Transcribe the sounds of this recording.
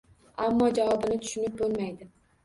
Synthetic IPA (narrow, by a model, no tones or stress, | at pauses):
amːɒd͡ʒavɒbɪnɪt̪ʰʊ̥ʃʊnɪp̚bolˠmajd̪ɪ